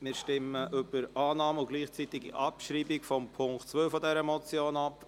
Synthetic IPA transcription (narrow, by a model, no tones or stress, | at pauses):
mɪːɾʃtɪməʔʏb̥əɾɑːnɑːmʊɡ̥liːχt͡sit̪ɪɡḭʔɑpʃɾiːbɪkfɔmpʰʊŋktt͡sʋœwfɔd̪ɛɾəmɔt͡sjoːnɑp